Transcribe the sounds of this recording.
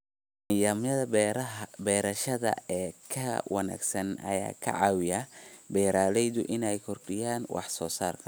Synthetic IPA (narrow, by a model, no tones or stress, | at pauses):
nɪjaːmjɐðɐ | bɛːɾɐʃɐðɐ̰ɛːkʰɐwɑ̰na̰ːɡsɐnɐ̰ja̰ːkʰɐ̰ʕɑːwɪjɐbɛːɾaːlɛjðʊʔɪnɛjkʰɔrɖɪjaːnwɑ̰ħsɔːsaːrkʰɐ̥